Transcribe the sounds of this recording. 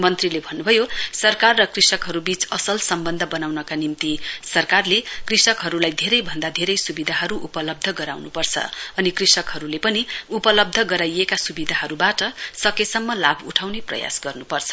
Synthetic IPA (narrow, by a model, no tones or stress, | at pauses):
mʌnt̪rilebʱʌnːubʱʌjosʌrkarːʌkrisʌkɦʌɾubit͡sʌsʌlsʌmbʌnd̪ʱʌbʌnawnʌkanimt̪isʌrkarlekrisʌkɦʌɾulajd̪ʱeɾʌjbʱʌnd̪ad̪ʱeɾʌjsubid̪ʱaɦʌɾuʔupʌlʌb̚d̪ʱʌɡʌɾa̰wnupʌrt͡sʰʌ̰ʌnikrisʌkɦʌɾulepʌniupʌlʌb̚d̪ʱʌɡʌɾajekasubid̪ʱaɦʌɾubaʈʌsʌkesʌmːʌlabʱuʈʰawneprʌ̰ja̰sɡʌrnupʌrt͡sʰʌ̥